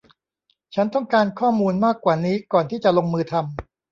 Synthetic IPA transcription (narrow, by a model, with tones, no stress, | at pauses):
t͡ɕʰa˦˥nt̪ɔ˥˩ŋkaː˧nkʰɔː˥˩muː˧nmaː˥˩kːwaː˨˩niː˦˥kɔː˨˩nt̪ʰiː˥˩t͡ɕa˨˩lo˧ŋmɯː˧t̪ʰa˧m